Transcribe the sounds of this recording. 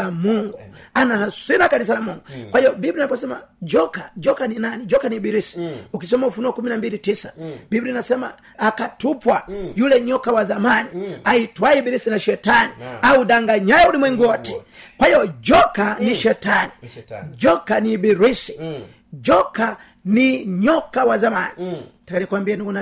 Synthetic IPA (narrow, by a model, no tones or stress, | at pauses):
amuŋɡuanahaswinakanis̬alamuŋɡukwahiɔbibɾinapɔsɛma̰d͡ʒɔkad͡ʒɔkaninanid͡ʒɔkaniːbiɾisi̥ukis̬ɛmaufunɔkuminambilitisḁbibɾinasɛma̰ː | katupwajulɛɲɔkawazamaniaitwaibiɾisinaʃɛtaniaudaŋɡaɲajaulimwɛŋɡɔtɛ̥ | kwaijɔd͡ʒɔkaniʃɛtanid͡ʒɔkanibiɾisi̥ | d͡ʒɔka | niɲɔkawazamanitakanikwambiɛnuɡuna